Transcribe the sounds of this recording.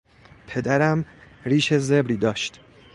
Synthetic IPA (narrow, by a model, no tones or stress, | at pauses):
pʰe̞d̪æɾæm | ɾiːʃeze̞bɾiːd̪ɒːʃt̪